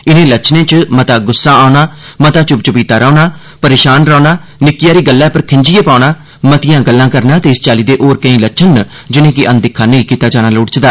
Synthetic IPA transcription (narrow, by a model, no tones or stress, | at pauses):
ɪnẽːlət͡ʃʰnẽːt͡ʃmət̪aːɡʊsːãːaːʊnaːmət̪aːt͡ʃʊp̚t͡ʃəpiːt̪aːɾaːnaː | pəɾeːʃaːnɾaːnaːnɪkɪjaːɾiːɡəlːɛːpəɾkʰɪɲd͡ʒɪjeːpaːnaː | mət̪ɪjãːɡəlːãːkəɾnaːt̪eːɪst͡ʃaːliːd̪eːʔoːɾkə̃ĩːləʃʰən | d͡ʒɪnẽːkɪʔənd̪ɪkʰːaːnəĩːkiːt̪aːd͡ʒaːnaːlʊːɽt͡ʃd̪aː